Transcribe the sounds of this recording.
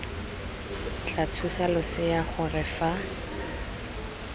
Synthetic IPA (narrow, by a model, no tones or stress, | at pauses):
t͡ɬʰat͡sʰusalʊsɪjaχʊrɪfa